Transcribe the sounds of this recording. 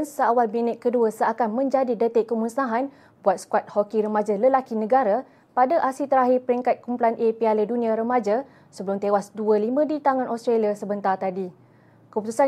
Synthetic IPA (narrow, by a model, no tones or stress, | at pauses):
nsəawalminət̪̚kəduəsəakanmə̃ɲd͡ʒadidət̪ɪʔkːəmunsnaɦan | buat̪̚skwat̪̚hokiɾəmad͡ʒaləlakinə̃ɡaɾa | padaʔasit̪əɾaɦɪrpəɾiŋkat̪̚kumpulanʔepialədunĩãɾəmad͡ʒa | səbəlʊmt̪ewasduəlimə̃dit̪aŋãnʔɔst̪ɾaliasəbənt̪art̪adi | kəput̪usa